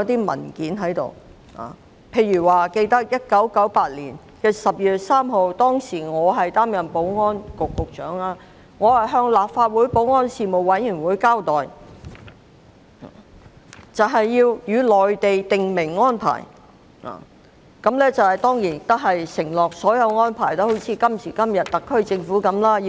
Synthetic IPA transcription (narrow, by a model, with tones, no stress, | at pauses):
ɐ˧t̪iː˥mɐ̰˨˩nkiː˨˥nɦɐ˨˥jt̪o̰˨˧w | a̰ː˨˩ | pʰe˧jɥyː˨˩waː˨ke˧jt̪ɐ˥k̚jɐ˥t̚kɐ˨˥wkɐ˨˥wpaː˧t̚liː˨˩n | kɛː˧sɐ˨p̚jyː˨t̚saː˥mɦo˨˧wt̪ɔː˥ŋsiː˨˩ŋɔː˨˧ɦɐ˨jt̪aː˥mjɐ˨˩npo˨˥wŋɔː˥nkʊ˨kːʊ˨k̚t͡ʃœ̰ː˨˥ŋaː˧ | ŋɔː˨˧hɐ˨jɦœː˧ŋlaː˨pfaː˧t̚wuː˨˥jpo˨˥wŋɔː˥nsiː˨˧mo˨wɐ˨˥jyː˨˩nwuː˨˥jkaː˥wt̪ɔː˨j | t͡sɐ˨wɦɐ˨jːiː˧wjyː˨˧lɔː˨jt̪e˨jt̪ɪ˨ŋmɪ˨˩ŋːɔː˥npʰa̰ː˨˩j | a̰ː˨˩ | kɐ˨˥mlɛː˥t͡sɐ˨whɐ˨jt̪ɔː˥ŋjiː˨˩n˨t̪ɐ˥k̚ɦɐ˨jsɪ˨˩ŋlɔː˨k̚sɔː˨˥jɐ˨˧wŋɔː˥npʰaː˨˩jt̪ɐ˥ho˨˥wt͡sʰiː˨kɐ˥msiː˨˩kɐ˥mjɐ˨t̚t̪ɐ˨kʰːɵ˥ɥt͡sɪ˧ŋfuː˨˥kɐ˨˥mlaː˥˧